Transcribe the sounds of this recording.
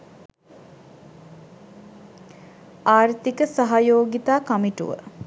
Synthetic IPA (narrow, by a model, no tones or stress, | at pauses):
aːɾt̪ikəsaɦajoːɡit̪aːkɐmiʈṵʋə̰